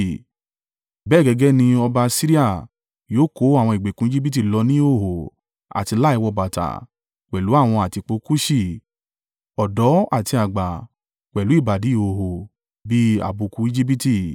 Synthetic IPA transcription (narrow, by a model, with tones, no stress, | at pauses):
bɛ˦˨ɡɛ˧ɡɛ˦nĩ˧ɔ˧ba˧si˦ɾi˦a˦˨ | joː˦ko˨˦a˦˨w̃ɔ̃˧i˨ɡ͡be˨kũ˨˦i˦d͡ʒi˦bi˦t̬i˦˨lɔ˧nĩ˦o˦˨ho˨ | a̰˨ti˧la˦i˧wɔ˧ba˨ta̰˨ | k͡pɛ˨lu˨˦a˦˨w̃ɔ̃˧a˨ti˧k͡po˨˦ku˦ʃi˦˨ | ɔ˨dɔ˨˦a˦˨ti˧a˨ɡ͡ba˨ | k͡pɛ˨lu˨˦i˦˨ba˨di˨˦i˦˨o˨ɦo˨ | bi˦a̰˨bo˨˧kũ˨˧˦i˦d͡ʒi˦bi˦ti˧˨